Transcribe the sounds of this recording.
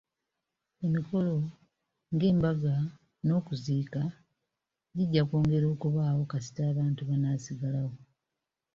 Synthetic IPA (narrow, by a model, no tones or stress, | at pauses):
e̞miko̞lo̞ | ŋɡe̞ːmbaɡa | no̞ːkuziːka | ɟiɟːakoːŋɡe̞ɾo̞ːkuβaːwo̞kasi̥taːβaːntuβanaːsiɡalawo̞